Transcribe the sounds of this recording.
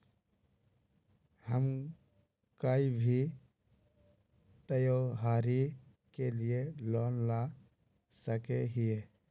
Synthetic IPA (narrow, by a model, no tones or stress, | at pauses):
həm | kaːibʱi | t̪əjoːɦaːɾi | kelielɔːnla | səkeɦɪe